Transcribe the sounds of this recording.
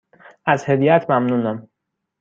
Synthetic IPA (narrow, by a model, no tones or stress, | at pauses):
æzhed̪ijæt̪ʰmæmnuːnæm